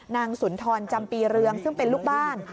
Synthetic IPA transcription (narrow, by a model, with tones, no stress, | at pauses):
naː˧ŋsu˩˦nt̪ʰɔː˧nt͡ɕa˧mpiː˧ɾɯ˧əŋsɯ˥˩ŋpe˧nluː˥˩k̚baː˥˩n